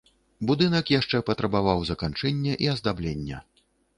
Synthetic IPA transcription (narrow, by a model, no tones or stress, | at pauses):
bud̪ɨnɐkjaʂt͡ʂɛpɐt̪ɾɐbavawzɐkant͡ʂɛnʲːɛʔiɐzd̪ablʲenʲːɛ̰